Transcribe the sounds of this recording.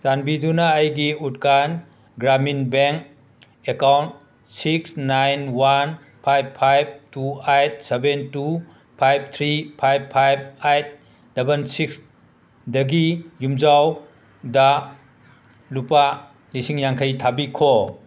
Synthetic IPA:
sanbidunɐːjɡiut̚kan | ɡɾaminbeŋk̚ | ekawnt̚ | siksnajnwan | pʰajbpʰajb̚tuajt̚sebentu | pʰajb̚t̪ʰɾipʰajbpʰajb̚ajt̚ | dɐbɐnsiks | dɐɡijumzaw | dɐ | lupa | lisiŋjaŋkʰajtʰabikʰo

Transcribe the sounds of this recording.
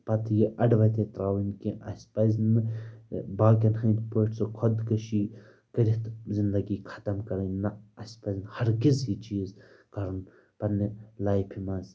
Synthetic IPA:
pɐt̪ʰjiʔɐɖʋɐt̪et̪ɾaːwinkiʔɐ̰sʲpɐznɨ | baːkʲɐnɦɐ̃jt̪poʈsokʰɔd̪kɐʃiː | kɐɾit̪zind̪ɐɡiːkʰɐ̥t̪ɐmkɐɾɐnɐɐsʲpɐznhɐɾɡizɦit͡ʃiːzkɐɾn | pɐnilaːjpʰimas

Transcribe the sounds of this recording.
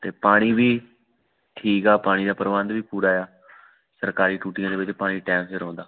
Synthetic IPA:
t̪eːpaːɽ̃iːbiː | ʈʰiːkaːpaːɽ̃iːd̪aːpəɾʋãnd̪ʋiːpuːɾaːjaː | səɾkaːɾiːʈuːʈɪjãːd̪eːʋɪt͡ʃpaːɽ̃iːʈɛ̃ːmseɾɔ̃ːnd̪aː

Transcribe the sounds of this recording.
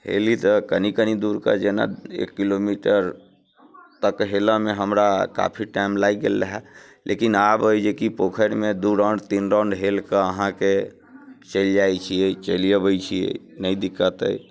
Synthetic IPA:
hḛlit̪əkənikənid̪uɾkə̰d͡ʒena̰ḛkːilomiʈəɾ | t̪əkɦeləmeɦəmɾaka̰pʰiʈajmlaiɡḛlːəɦɛlʔḛkinabojd͡ʒekipokʰəɾmed̪uɾəɳɖt̪inɾə̃ɳɖɦelkəəɦãke | t͡ʃəld͡ʒajt͡ʃʰijet͡ʃəlijəbəjt͡ʃʰiḛ | nəjd̪ikːət̪ə̰j

